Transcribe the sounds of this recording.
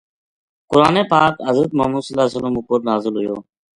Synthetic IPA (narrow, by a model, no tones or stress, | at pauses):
kʊɾaːneːpaːkɦəzɾət̪̚mə̰ːmuːd̪səlaːsələmʊpʊɾnaːzɪlɦʊjo̰ː